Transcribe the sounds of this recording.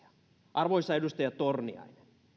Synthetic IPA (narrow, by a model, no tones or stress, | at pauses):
ɑ̥ | ʔɑrʋoisɑedust̪ɑjɑtt̪ornḭɑ̰ine̥n